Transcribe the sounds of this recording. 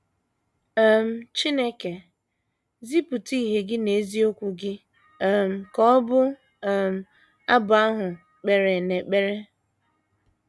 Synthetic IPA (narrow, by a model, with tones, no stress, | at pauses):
m̩˨˦t͡ʃi˦ne˦ke˨ | zi˦pʊ˨ti˦˨ɦe˨ɡɪ˦ne˨˦zi˦o˦kʷu˨ɡɪ˦˨ | m̩˨kɔ˦ɔ˦bʊ˦˨ | m̩˨ | a˦bʊ˨a˦ɦʊ˨ | k͡pe˨ɾe˨ne˨k͡pe˦ɾe˦